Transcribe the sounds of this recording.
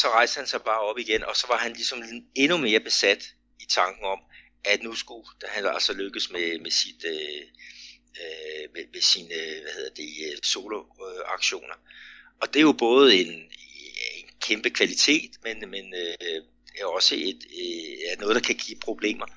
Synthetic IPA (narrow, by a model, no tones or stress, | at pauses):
sɒ̽ʁɑ̈ɪsd̥əhænsɑ̈ɪb̥ɑ̈ːɒ̽b̥iɡ̥enʔɒ̽sɒ̽ʋɑ̈ɦænlisɒ̽me̝nume̝ːɐb̥e̝sæd̥ | it͡sʰɑ̈ŋɡ̥n̩ɒ̽m | ʔæ̥nusɡ̥u̥hænɑælsɒløɡ̥əsmemesid̥ø | ømemesinʋæhe̝ðˠɐd̥e̝øso̝ːloɑ̈ɡ̥ɕo̝̰ːnɐɒ̽d̥e̝jo̝b̥ɔ̽ːð̞̩ˠe̝n | enkʰemb̥əkʰʋælit͡sʰe̝̰ːd̥menmenø | ɒ̽səed̥ænɔ̽ð̞̩̥ˠɑ̈kʰæɡ̥ḭːpʰʁo̝b̥le̝̰ːmɐ